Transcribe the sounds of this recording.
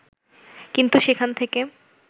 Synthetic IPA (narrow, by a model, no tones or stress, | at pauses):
kint̪uʃekʰant̪ʰeke